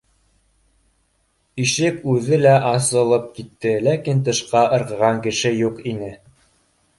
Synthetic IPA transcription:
iʃɘpʉðɘlæʔɑsɤ̆lˠɤp̚kit̪ːɘlækint̪̬ɤ̆ʃqɑʔɤ̆ɾʁɤ̆ʁɑŋkɘ̆ʃɘjuqinɘ

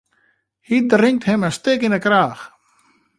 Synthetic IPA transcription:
hit̚drɪŋ̚thɪməstɪkinəkraːx

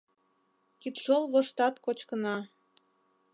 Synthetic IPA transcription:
kit̪ʃolˠβoʃt̪ɑt̪kot͡ɕkənɑ

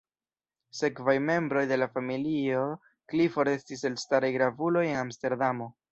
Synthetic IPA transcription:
se̞kvajme̞mbɾo̞jde̞lafamilio̞ | klifo̞ɾe̞stise̞lstaɾajɡɾavulo̞je̞namste̞ɾdamo̞

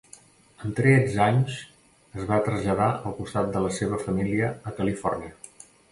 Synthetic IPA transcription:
ənt̪ɾɛd͡zaɲs | əzβat̪ɾəzʎəðaəlˠkust̪at̪̚d̪ələseβ̞əfəmiliəːkəlifɔrniə

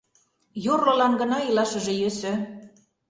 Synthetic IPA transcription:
jorlɤ̆lɑnɡə̆nɑilɑʃə̆ʒĕjøsø̆

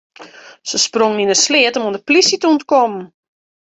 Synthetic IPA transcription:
səsproŋninəslɪətɔmondəplisitəontkɔmn̩

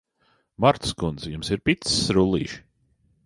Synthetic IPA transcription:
maɾt̪skund̪zjumsiɾpit̪ssɾulˠḭːʃ

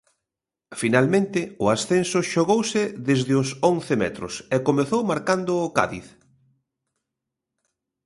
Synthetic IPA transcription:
finalmẽnt̪ɪʊasθensʊʃoɣowsɪðezðɪʊsõnθɪmɛ̰t̪ɾʊ̰sɛkomeθowmaɾkand̪ʊːka̰ðḭθ

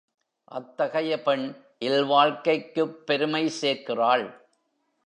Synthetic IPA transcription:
ʔɐ̰t̪ːɐɣɐjɐpɛɳ | ʔɪlʋaːɻkɐɪkːɯpːɛɾɯmɐɪseːɾkɪraːɭ

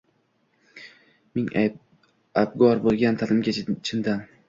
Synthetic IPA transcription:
mɪŋ | ab̚ɡɒɾbolˠɡʲant̪ʰalɪmɡʲat͡ʃʰɪnd̪an

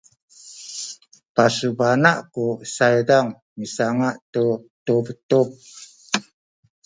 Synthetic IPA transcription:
pasubanaʔkusajdaŋ | misaŋaʔtutubətup̚

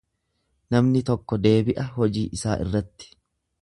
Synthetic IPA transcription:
nɐmnɪt̪ɔkːɔd̪e̞ːbɪʔɐɦɔd͡ʒiːʔɪsaːʔɪ̰rːɐt̪ːɪ̥

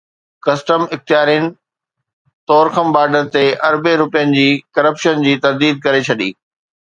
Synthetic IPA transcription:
kɐsʈəmɪxt̪ɪjaːɾijənɪ̆ | t̪ɔːɾxəmbaːɖəɾt̪eʔɐɾbeɾʊpijənɪ̆d͡ʑiːkɐɾəpʃənd͡ʑiːt̪ɐɾd̪iːd̪̚kɐɾet͡ɕʰɐɗḭː

